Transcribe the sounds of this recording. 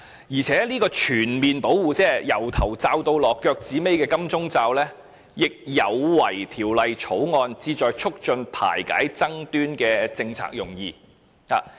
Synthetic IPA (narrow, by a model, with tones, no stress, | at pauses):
jiː˨˩t͡sʰɛː˨˥liː˥kɔː˧t͡ʃʰyː˨˩nmiː˨npo˨˥wwuː˨t͡sɛː˥jɐ˨˩wt̪ʰɐ˨˩wt͡saː˧wt̪o˧wlɔː˨kːœː˧k̚t͡siː˨˥me˥jkɛː˧kɐ˥mt͡sʊ˥ŋt͡saː˧wlɛː˥ | jɪ˨k̚jɐ˨˧wwɐ˨˩jt̪ʰiː˨˩wlɐ˨jt͡sʰo˨˥wŋɔː˧nt͡siː˧t͡ʃɔː˨jt͡ʃʰʊ˥k̚t͡ʃɵ˧npʰa̰ː˨˩jka̰ː˨˥jt͡sɐ˥ŋt̪yː˥nkɛː˧t͡sɪ˧ŋt͡sʰa̰ː˧k̚jʊ˨˩ŋjḭː˧ | ha̰ː˨